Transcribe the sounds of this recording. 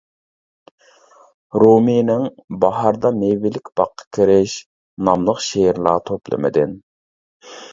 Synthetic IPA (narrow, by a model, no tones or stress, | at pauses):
ɾominɪŋbɑɦɑɾd̪ɑmewɪlɪkʲb̥ɑqʰːɑ̥kʲʰiɾɪʃ | nɑmlˠəqʃeɾlˠɑːt̪ʰoplˠɨ̰mɪ̰d̪ɪn